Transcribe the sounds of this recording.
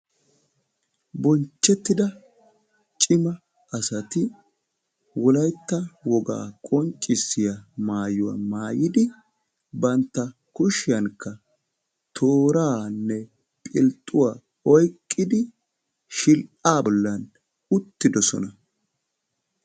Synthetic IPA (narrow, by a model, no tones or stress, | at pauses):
bɔnt͡ʃːɛt̪ːɪd̪ɐ | t͡ʃʼɪmɐ | ɐsɐt̪ɪ | wɔlɐjt̪ːɐwɔɡa̰ːkʼɔnt͡ʃʼːɪsːɪjɐmaːjʊwa̰maːjɪd̪ɪ | bɐnt̪ːɐ | kʊʃɪjɐŋkːɐ | t̪ʰoːɾaːnːɛ | pʼɪlt̪ʼːʊwaː | ɔjkʼːɪd̪ɪ | ʃɪlʔaːbɔlːɐn | ʊt̪ːɪd̪ɔsɔ̰nɐ